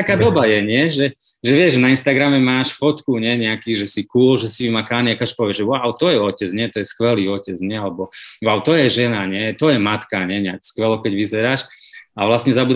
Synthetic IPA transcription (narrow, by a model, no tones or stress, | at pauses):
t̪akaːd̪ɔbajɛɲɪɛʒɛ | ʒɛʋɪɛʒnainst̪aɡɾamɛmaːʃfɔt̪kuɲɛɲɛakiːʒɛsikuːlʒɛsiʋimakaniakat͡ʃpɔʋjɛʒɛwawt̪ɔjɛɔcɛd͡zɲɪɛt̪ɔjɛskʋɛliːɔcɛd͡zɲɛalɛbɔwawt̪ɔjɛʒɛnaɲɛt̪ɔjɛmat̪kaɲɛɲɛakskʋɛlɔkɛɟʋizɛɾaːʃaʋlasɲɛzabuːd̪